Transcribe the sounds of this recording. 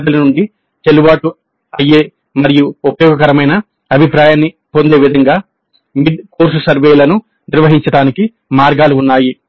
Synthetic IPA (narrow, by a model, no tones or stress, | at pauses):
t̪ɐlɐnuɳɖi | t͡ʃ̪elubaːʈu | ɐjːeː | mɐɾijuupɐjɔːɡɐkɐɾɐmɐjnɐ | ɐbʱipɾaːjaːnːi | po̞nd̪e̞ːʋid̪ʱɐŋɡaː | miɖ̪koːɾsusɐɾʋeːjlɐnu | niɾʋɐɦiɲt͡ʃɐɽaːniki | maːɾɡaːluːnːaːji